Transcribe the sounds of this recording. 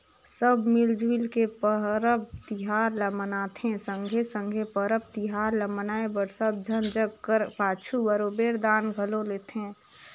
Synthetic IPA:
səbmɪld͡ʒwɪlkepəɦɾəb̚t̪ɪɦaːɾləmənaːt̪ʰɦẽsə̃ŋɡʱesə̃ŋɡʱepəɾəb̚t̪iɦaːɾləmənaːebəɾsəb̚d͡ʒʱənd͡ʒəɡkəɾpaːt͡ʃʰubəɾoːbeːɾd̪aːnɡʱəloleːt̪ɦeɛ̃

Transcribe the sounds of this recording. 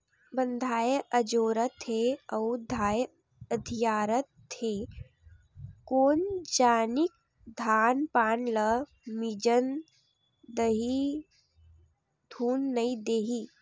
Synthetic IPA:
bə̃nd̪ʱaːjʔəd͡ʒoːɾət̪ʰeɐʊd̪ʱaːj | əd̪ʱijaːɾət̪ʰːeː | koːnd͡ʒaːnik̚ | d̪ʱaːnpaːnlə | mid͡ʒən | d̪əɦi | d̪ʱuːnːɐĩd̪eːɦi

